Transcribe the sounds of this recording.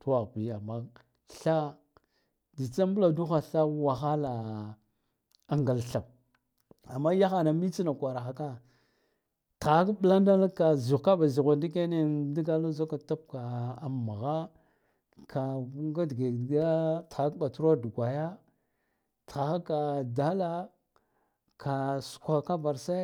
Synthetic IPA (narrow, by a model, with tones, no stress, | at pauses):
tu˦wa˨ɣbi˨a˨mːa˦ | ɬa˦ | di˨t͡sa˦mbu˦la˨du˦xa˨ɬa˦wa˨xa˦la˨ | a˨ŋɡa˨lɬa˨p̚ | a˨mːa˦ja˦xa˨na˨mi˦t͡si˦na˨kʷa˨ɾa˨xa˨ka˦ | ta˨˦kɓla˦nda˦lka˨zu˨ka˦ɓa˨zi˨ɣʷa˨ndi˦ke˦ne˦di˦ɡa˦la˦zo˦ka˨ta˦p̚ka˨a˨mːa˨ɣa˦ | kʰa˨˦ŋɡa˦dɡa˨ɡa˦ta˨˦ɓa˨tu˦ɾa˦du˨ɡʷa˨ja˦ | ta˨xa˦ka˨da˦la˦ | kʰa˨su̥˨kʷa˨ka˦va˨ɾsa˦